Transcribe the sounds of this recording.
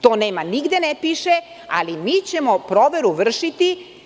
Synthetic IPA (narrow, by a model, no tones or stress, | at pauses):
t̪oːneːmaniɡd̪enɛpiʃe | a̰limiːt͡ɕemopɾoʋeɾuʋr̩ʃit̪i